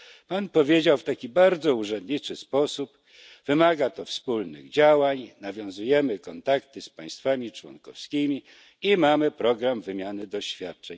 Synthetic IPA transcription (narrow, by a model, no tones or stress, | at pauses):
panpɔvʲjed͡ʑawft̪akʲibaɾd̪zɔuʐɛnd̪ɲit͡ʂɘspɔsup | v̥ɘmaɡat̪ɔfspulnɘ̰ɣd͡ʑawaɲnavʲjɔ̃w̃zujɛmɘkɔnt̪akt̪ɘspaj̃st̪famʲit͡ʂwɔ̰nkɔ̰fskʲimʲi | imamɘpɾɔɡɾamvɘmʲjanɘd̪ɔɕfʲjat̪̚t͡ʂɛɲ